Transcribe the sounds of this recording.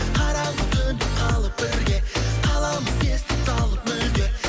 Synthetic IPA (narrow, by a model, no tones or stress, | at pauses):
qʰɑɾɑʁət̪ʰɵnd̪ɪqʰɑlˠəp̚bɪɾɡʲe̞qʰɑlˠɑməzkʲʰest̪ɪpsɑlˠəpmʏld̪ʲe